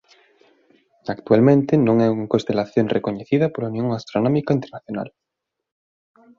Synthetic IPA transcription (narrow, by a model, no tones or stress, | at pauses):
akt̪ualmẽnt̪ɪnõŋɛuŋakõnst̪elaθjoŋrʔekoɲeθiðɐpolaunjõŋast̪ɾonɔmikaint̪eɾnaθjona̰l